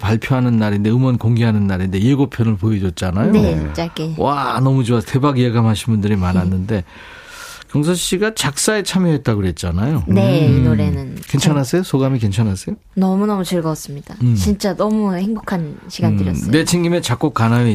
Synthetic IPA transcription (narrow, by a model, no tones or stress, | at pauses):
paɭpʰjoɦanɯnːaɾinde̞ɯmʌnkoŋɡeɦanɯnːaɾinde̞jeɡopʰjʌnɯɭpoed͡ʑʌt̚t͡ɕ͈anajoet͡ɕ͈ak͈ewanʌmud͡ʑoaste̞baɡijeɡamɦaɕʰinbundɯɾimanɦanːɯnde̞ | kjʌŋsʰʌɕ͈iɡat͡ɕak̚s͈ae̞t͡ɕʰamjʌɦe̞t̚t͈aɡoje̞t̚t͡ɕ͈anajone̞noɾenɯnke̞nt͡ɕʰanas͈ejosʰoɡamike̞nt͡ɕʰanas͈ejo | nʌmunʌmut͡ɕɯɭɡʌas͈ɯmɲid̥at͡ɕint͡ɕ͈anʌmuheŋbokʰanɕʰiɡanddɯɾjʌʌe̞t͡ɕʰeŋɡimet͡ɕak͈ok͈anae